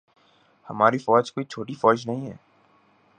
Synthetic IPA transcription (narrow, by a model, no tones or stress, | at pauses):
hɐmaːɾifɔːd͡ʒkoːit͡ʃʰoːʈifɔːd͡ʒnəɦĩːɦɛ̰ː